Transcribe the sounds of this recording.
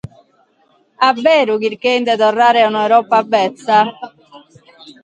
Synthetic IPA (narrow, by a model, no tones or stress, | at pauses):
abːɛːɾukiɾkeind̪ɛt̪ɔrːaːɾɛunawɾɔːpːabːɛt̪sːa